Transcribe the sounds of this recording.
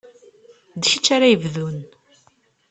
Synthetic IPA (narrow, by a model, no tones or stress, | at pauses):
d̪çit͡ʃːaɾajəvðun